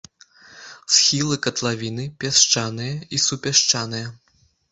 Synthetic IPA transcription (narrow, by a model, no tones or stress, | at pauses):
sxʲilˠɨkɐt̪lˠavʲinɨpʲaʂt͡ʂanɨjɐisupʲaʂt͡ʂanɨjɐ